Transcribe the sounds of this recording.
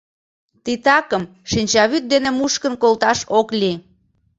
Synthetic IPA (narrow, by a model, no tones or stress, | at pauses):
t̪it̪ɑkəm | ʃinʲt͡ɕɑβyt̪̚d̪enemuʃkənkolt̪ɑʃoklʲi